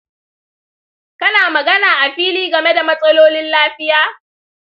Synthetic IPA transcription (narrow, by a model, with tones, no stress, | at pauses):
kɐ˦naː˨mɐ˨ɡɐ˦naː˨ʔa˨ɸiː˦liː˦ɡɐ˨me˦da˨mɐ˦sʼɐ˦loː˦lɪ˦nlaː˦ɸɪ˦jaː˦